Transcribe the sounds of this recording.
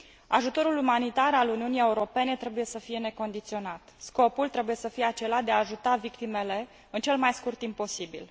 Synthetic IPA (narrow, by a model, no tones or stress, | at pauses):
aʒut̪o̞ɾulumanit̪aɾaluniunije̞uɾo̞pe̞net̪ɾe̞buje̞səfije̞ne̞ko̞nd̪it̪sio̞nat̪sko̞pult̪ɾe̞buje̞səfijeat͡ʃe̞lad̪eaːʒut̪avikt̪ime̞le̞ | ɨnt͡ʃe̞lmajskurt̪imppːo̞sibḭl